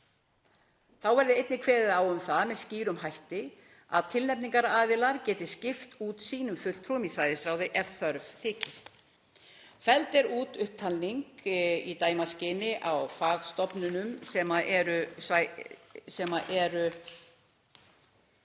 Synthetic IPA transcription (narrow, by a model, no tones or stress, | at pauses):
θawvɛɾðɪejt̪nɪkʰvɛːðɪðawʏmθaðmɛðsciːɾʏmɦajht̪ɪ | a̰ðt̪ʰɪlnɛpniŋkaɾaːðɪlaɾcɛːt̪ɪscɪft̪uːt̪siːnʏmfʏl̥pʰɾɔːmisvajðɪsɾaːwðɪʔɛvθœɾvθɪːcɪɾ̥ | fɛlt̪ɛɾuːt̪ʏhp̚t̪ʰalniŋkit̪aːjmascɪnɪʔawfaːɣst̪ɔpnʏnʏmsɛmaʔɛɾʏsa | sɛmaʔɛɾʏ